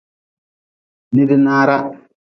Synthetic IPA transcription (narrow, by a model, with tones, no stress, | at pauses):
nɪ˦dɪ˦naː˦ɾa˦